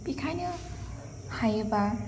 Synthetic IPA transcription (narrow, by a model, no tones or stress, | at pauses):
pikʰanʌ | hajeba